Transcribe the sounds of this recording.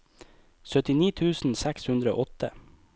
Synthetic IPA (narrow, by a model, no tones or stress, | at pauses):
sœt̪ɪniːt̪ʰʉːsn̩sækshʉnd̪ɾəo̰ːʔɔt̪ʰə